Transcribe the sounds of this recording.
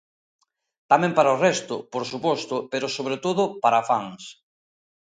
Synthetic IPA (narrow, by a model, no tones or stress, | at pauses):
t̪amɛ̃mpaɾaorɛst̪ʊ̰poɾsupɔst̪ʊpeɾʊsoβɾet̪oðʊpaɾafaŋs